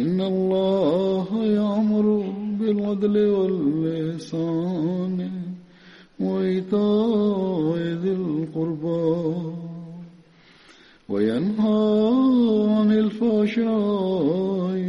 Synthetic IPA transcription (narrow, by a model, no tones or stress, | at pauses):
ʔɪnːalˤːɑːɦajaʕmʊɾʊbɪlad̪lɪwalːɪhsaːnɪ | waɪt̪aː | ɪðɪlqʊɾba | wa̰janɦaː | ʕanɪlfaːʃa | ɪ